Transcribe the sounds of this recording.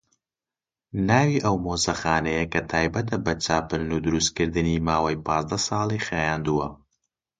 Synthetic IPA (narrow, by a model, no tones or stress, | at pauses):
naːwiʔɐwmoːzɐxaːnɐjɐkɐt̪ʰaːjbɐt̪ɐbɐt͡ʃaːpɨɾnud̪ʊɾust̪̚kɨɾd̪ɨnimaːwɐjpʰɑːzd̪ɐsɑːlˠixajaːnd̪uwɐ